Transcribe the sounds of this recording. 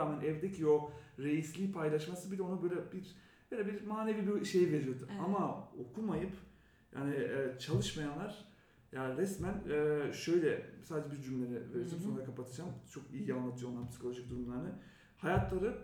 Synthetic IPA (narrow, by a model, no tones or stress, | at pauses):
aːmænʔɛvd̪ecʰio̞ɾe̞jislʲiːpʰajlˠaʃmasɯbilʲɛo̞nabø̞jlʲɛbiɾ | b̥øjlʲɛbiɾmaːnevibiʃe̞jve̞ɾijo̞d̪uamaokʰumajɯp | ja̰ːniːt͡ʃʰalˠɯʃmajanlˠaɾ̥ | jaːɾɛsmænɛːʃø̞jlʲɛsaːd̪ed͡ʒɛbiɾd͡ʒymlʲeɾɛveɾid͡ʒ̪imso̞nɾakʰapat̪ʰɯd͡ʒamt͡ʃʰo̞kijianlːˠat̪ʰɯjo̞nːˠaɾpisi̥kʰo̞lʲˠo̞ʒik̚d̪uɾumlˠaɾnɯ | hajat̪ʰlˠaɾɯ